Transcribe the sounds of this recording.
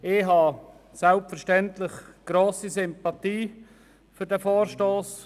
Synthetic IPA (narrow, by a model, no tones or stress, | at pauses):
ɪɦɑ | sælpfəɾʃtɛnt̪lɪχɡ̥ɾoːsisʏmpɑt̪iː | fʏɾdɛfoːɾʃtoːs